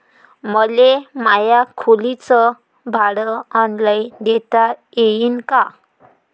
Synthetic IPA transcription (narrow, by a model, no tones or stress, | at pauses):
məlemajakʰolit͡sɔ | bʱaɽəɔnlaind̪et̪ajejinka